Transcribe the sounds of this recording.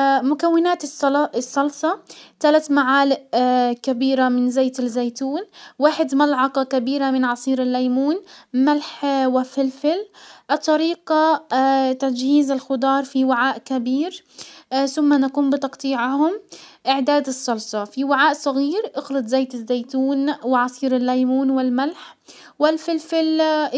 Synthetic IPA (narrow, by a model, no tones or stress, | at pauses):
mʊkawːɪnaːt̪ːsˤːɑlsˤɑt̪alat̪maʕaːlɪʔkabiːɾamɪnzeːt̪ɪlzajt̪uːnwaːħɪd̪malʕɑqɑkabiːɾamɪnʕɑsˤiːɾɪlːajmuːnmalħwɪfɪlfɪlʔɑt̪ˤːɑɾiːqa | t̪ad͡ʒhiːzɪlxʊd̪ˤɑːɾˤfiwɪʕaːʔkabiːɾ | θʊmːanakuːmbɪt̪ɑqt̪ˤiːʕhʊmʔɪʕd̪aːd̪ɨsˤːɑlsˤɑfiwɪʕaːʔsˤɑɣiːɾʔʊxlɪd̪zeːt̪ɪzːejt̪uːnwɪʕɑsˤiːɾɪlːajmuːnwɪlmalħ | wɪlfɪlfɪl